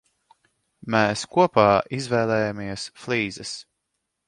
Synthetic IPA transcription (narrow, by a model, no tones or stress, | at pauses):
mɛːskuɔpaːʔizvɛːlɛːjamiɛsflˠiːzɐs